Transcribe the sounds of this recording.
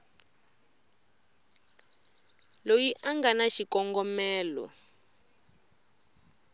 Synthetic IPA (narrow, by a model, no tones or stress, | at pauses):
lojiʔaŋɡanaʃikɔŋɡɔmɛːlɔ̰